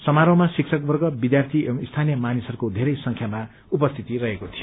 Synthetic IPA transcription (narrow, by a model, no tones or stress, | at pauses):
sʌmaɾʌwmasiksʰʌk̚bʌrɡʌbid̪jart̪ʰiist̪ʰanjʌmanisʌɾukod̪ʱeɾʌjsʌŋkʰjama | upʌst̪ʰit̪irʌɦekot̪ʰijo